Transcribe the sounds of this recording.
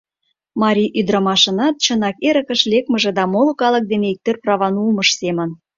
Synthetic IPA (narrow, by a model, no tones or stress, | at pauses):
mɑɾʲiʔyd̪ɾɑmɑʃə̆nɑt̪̚t͡ɕənɑkeɾə̆kə̆ʃlʲekməʒĕd̪ɑmolɤ̆kɑlə̆k̚d̪eneik̚t̪ørprɑβɑnulməʃsemə̆n